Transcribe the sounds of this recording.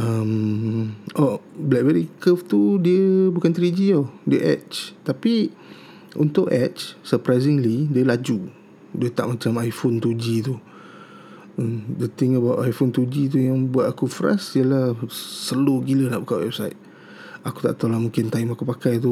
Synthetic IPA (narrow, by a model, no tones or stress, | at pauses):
əm | ʔɔblɛʔ̚bɛɾikəft̪udiəbukant̪ɾid͡ʒiadiəʔɛ̰tt͡ʃt̪api | ʔunt̪ʊʔɛt͡ʃsəpɾajzɪŋlidiəlad͡ʒu | diət̪aʔmat͡ʃamajfont̪ud͡ʒit̪u | əmdət̪ɪŋəbawʔajfont̪ud͡ʒit̪̬ujaŋbuat̪akufɾa̰siəlahsəluɡiləlabukaʔwɛ̰b̚sajt̪̚ | akut̪aʔt̪alahmũŋkɪnt̪aimakupakajt̪̬u